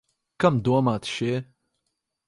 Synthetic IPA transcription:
kamd̪uɔmaːt̪ʃiɛ

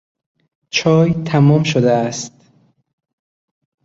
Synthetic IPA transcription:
t͡ʃʰɒːjt̪ʰæmɒːmʃod̪eæst̪

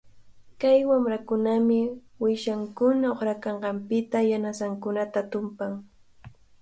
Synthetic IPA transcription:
kajwamɾakʊnamɪ | wɪʃaŋkʊnaoχɾakɑɴɢɑmpɪt̪ajanasaŋkʊnat̪at̪ʊmpaŋ

